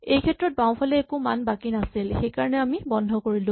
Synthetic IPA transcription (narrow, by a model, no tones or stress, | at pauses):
ejkʰɛtɹɔt̚baw̃pʰalɛːkumanbakinasilxejkaɹɔnɛamibɔndʱɔkoɹilʊ̃